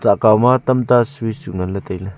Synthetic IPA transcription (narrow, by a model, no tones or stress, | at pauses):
t͡saʔkawmat̪ɐmt̪asujsuŋɐlːɐt̪ejlɐ